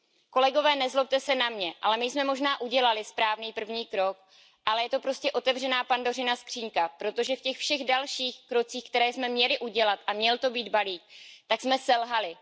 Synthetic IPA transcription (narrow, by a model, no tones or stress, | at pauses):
ko̞lɛɡo̞vɛːnɛzlop̚t̪ɛsɛnamɲɛʔa̰lɛmɪjsmɛmo̞ʒnaːʔuɟɛlalɪspɾaːvniːpr̩vɲiːkɾo̞k̚ | ʔalɛjɛt̪o̞pɾo̞scɛʔo̞t̪ɛvr̝ɛnaːpando̞rɪnaskr̥iːŋkapɾo̞t̪o̞ʒɛfcɛxfʃɛɣdalʃiːxkɾo̞t͡siːxkt̪ɛɾɛːjsmɛmɲɛlɪʔuɟɛlat̪ʔamɲɛlt̪o̞biːd̪baliːk̚t̪aksmɛsɛlɦalɪ